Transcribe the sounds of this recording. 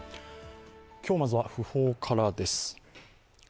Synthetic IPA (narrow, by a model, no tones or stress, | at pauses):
kʲo̞ːmazɨβaɸɯ̟ho̞ːkʰaɾad̪e̞sɨ̥